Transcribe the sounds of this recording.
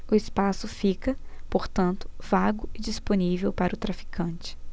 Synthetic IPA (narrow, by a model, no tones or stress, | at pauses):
ʊɪspasʊfikɐpoɾt̪ɐ̃nt̪ʊ̥vaɡʊɪd͡ʒisponivewpaɾɐʊt̪ɾafi̥kʰɐ̃nt͡ʃɪ̥